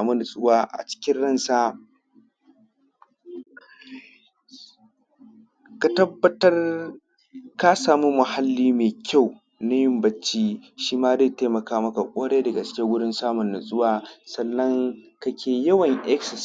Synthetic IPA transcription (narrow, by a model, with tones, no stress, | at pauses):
mu˦nʊ˨sʼʊ˦waː˦ʔa̰˨t͡ʃɪ̥˦kʲɪ˦nɽɐ˦˨nsaː˦ | ka˨tɐ˦bːɐ˦tɐ˦r | ka˦saː˨mu˦mʊ˨ha˦lːiː˦meː˨kʲa˦˨w | na˦jɪ˦mbɐ˦t͡ʃːiː˦ʃiː˦maː˦zeː˦˨teː˦mɐ˨kaː˦mɐ˦ka˨kʷʼoː˦ɽeː˦dɐ˨ɡa˨t͡ʃɪ̥˦kʲɪ˦wʊ˦ɽɪ˦nsaː˦mʊ˨nːʊ˨sʼʊ˦waː˨sɐ˨nːɐ˦ŋkɐ˦kʲʰeː˨jɐ˦wɐ˨ŋʔɛ˦ksɐ˨s